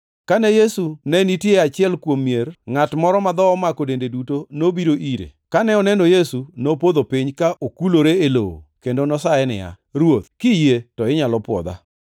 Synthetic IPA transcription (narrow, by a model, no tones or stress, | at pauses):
kanɛjesunɛnitjeat͡ʃɪɛlkwomːjerŋatmɔɾɔmad̪ɔɔmakodendedutonobiɾoʔiɾḛkanɛɔnɛnojesunopod̪opiɲkaʔokuloɾeelo̰wo̰kendonɔsaɛnɪ̰ja̰ | ɾwot̪̚kijetɔɪɲalɔpwɔ̰d̪a̰